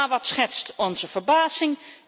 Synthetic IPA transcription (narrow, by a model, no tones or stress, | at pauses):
ʋɑtsχɛtstɔnzəv̥əɹbaːzɪŋ